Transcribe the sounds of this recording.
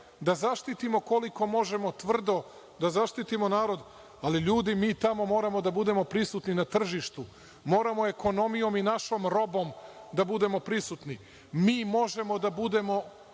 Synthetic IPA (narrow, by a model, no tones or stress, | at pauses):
d̪azaʃt̪it̪imo̞koliko̞mo̞ʒe̞mo̞t̪ʋr̩d̪o̞ | d̪azaʃt̪it̪imo̞naːɾo̞d̪ | aliʎuːd̪imiːt̪amo̞mo̞ːɾamo̞d̪abud̪e̞mo̞pɾisut̪ninat̪r̩ʒiʃt̪u | mo̞ːɾamo̞e̞ko̞no̞mijo̞minaʃo̞mɾo̞bo̞md̪abud̪e̞mo̞pɾisut̪ni | miːmo̞ʒe̞mo̞d̪abud̪e̞mo̞